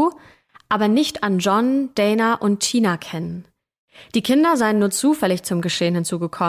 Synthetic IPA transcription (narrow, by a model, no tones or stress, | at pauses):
ʔaːbɐnɪçtand͡ʒɔnd̥ɛɪnɐʔʊnttiːnakʰɛnən | d̥iːkʰɪndɐzaɪənːuːɐt͡suːfɛlɪçt͡sʊmɡəʃeːənhɪnt͡suːɡəkʰɔ